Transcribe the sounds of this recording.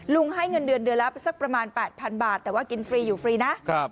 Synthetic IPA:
lu˧ŋɦa˥˩jŋɤ˧ndɯ˧əndɯ˧ənla˦˥psa˦˥˩k̚pɾa˧maː˧npɛː˨˩t̪̚pʰa˧nbaː˨˩t̪ːɛː˨˩waː˥˩ki˧nfɾiː˧juː˨˩fɾiː˧na˦˥ʔkʰa˦˥˩p̚

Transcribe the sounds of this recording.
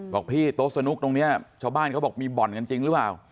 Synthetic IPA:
bɔː˨˩k̚pʰiː˥˩t̪o˦˥sa˧nu˦˥k̚t̪o˧ŋni˦˥ɐt͡ɕʰaː˧wbaː˥˩nkʰa˦˥bɔː˨˩k̚miː˧bɔ˨˩nka˧nt͡ɕi˧ŋɾɯ˦˥plaː˨˩w

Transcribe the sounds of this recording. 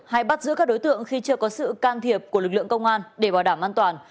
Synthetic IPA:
ha˧˩jɓa˦˥t̚zɨ̰˧˥kaː˦˥k̚ɗo˨˦jt̪ɨ̰˧˨əŋxi˧t͡ɕɨ˧əkɔ˨˦sɨ̰˧˨kaː˧nt̪ʰi˨˩əp̚ku˧˩əlɨ˨˩k̚lɨ̰˧˨əŋkə˧wŋ͡mʔaː˧nɗe˧˩ɓaː˨˩wɗaː˧˩mʔaː˧nt̪waː˨˩n

